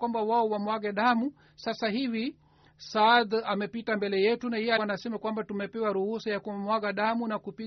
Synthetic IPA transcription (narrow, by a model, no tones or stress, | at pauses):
wambawaɔwamwaɣɛɗamu | sasaɦivi | saðamɛpitambɛlɛjɛtunahinasɛmakwambatumɛpɛwaɾuhusɔjakumwaɣaɗamunakupi